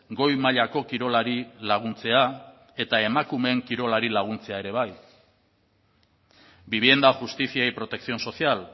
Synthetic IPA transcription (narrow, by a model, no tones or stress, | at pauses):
ɡo̞jmaʎako̞kiɾo̞laɾilaɣ̞unt͡se̞a | e̞t̪ae̞makume̞ŋkiɾo̞laɾilaɣ̞unt͡se̞ae̞ɾe̞β̞aj | biβ̞je̞nd̪axust̪isiajpɾo̞t̪e̞ksio̞nso̞sial